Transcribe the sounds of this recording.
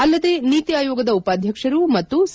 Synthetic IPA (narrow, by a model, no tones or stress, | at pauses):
ɐlːɐd̪e̞ːniːt̪iaːjoːɡɐd̪ɐupaːd̪ʱjɐkʂɐɾumɐt̪ːus